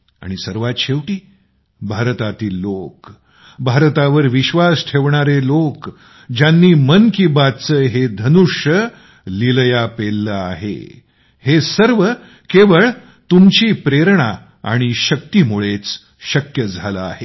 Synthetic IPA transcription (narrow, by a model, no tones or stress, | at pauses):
a̰ɽ̃isəɾʋat̪ɕeʋʈiː | bʱaɾt̪at̪iːlːok | bʱaɾt̪aʋəɾʋiɕʋasʈʰeʋɳaɾelok | d͡ʑjanːiːmənkibad̪t͡səːɦed̪ʱənuʂjə | liləjapelːəaɦḛ | hesəɾʋə | keʋəɭ | t̪umt͡ɕiːpɾeɾɳ̃a | a̰ɽ̃iɕək̚t̪imuɭet͡s | ɕəkjəd͡zʱaləaɦe